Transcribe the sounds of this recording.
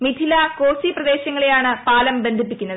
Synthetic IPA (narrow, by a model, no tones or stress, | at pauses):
mit̪ʰilɐko̞ːsiprɐd̪e̞ːɕɐŋːɐɭejaːɳɨpaːlɐmbe̞nd̪ʱip̬ːikʲːunːɐðɨɨ